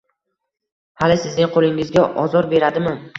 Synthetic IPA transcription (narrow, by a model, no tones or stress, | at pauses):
halɪsɪznɪŋqʰolɪŋɪzɡʲaʔɒzɒɾbe̞ɾad̪ɪmɪ